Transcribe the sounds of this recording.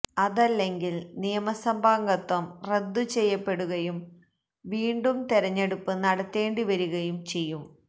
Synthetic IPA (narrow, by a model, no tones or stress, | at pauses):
ɐðɐlːe̞ŋɡilnijɐmɐsɐmbʱaːŋɡɐt̪ːɐmre̞d̪ːut͡ɕe̞jːɐpːe̞ɽuɣɐjum | ʋiːɳɖumt̪eɾɐɲːeɽupːɨnɐɽɐt̪ːe̞ːɳɖiʋɐɾuɣɐjumt͡ɕe̞jːum